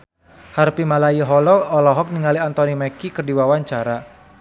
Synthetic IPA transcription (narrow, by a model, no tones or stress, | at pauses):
harpimalajiɦɔlɔːlɔɦɔk̚niŋaliant̪ɔnimɛkikɨrdiwawaɲt͡ʃaɾa